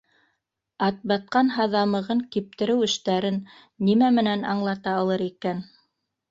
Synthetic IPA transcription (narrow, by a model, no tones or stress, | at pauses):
ɑt̪̚bɑt̪̚qɑnɦɑðɑmɤ̆ʁɤŋkip̚t̪ɘ̆ɾɘwɘ̆ʃt̪æɾɘnː | imæmɘ̆nænɑɴlˠɑt̪ɑːlˠɤɾikæn